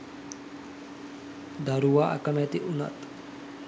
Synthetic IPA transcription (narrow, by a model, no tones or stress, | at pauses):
d̪aɾuʋaːʔɐ̰kɐmæt̪iʔunɐ̰t̪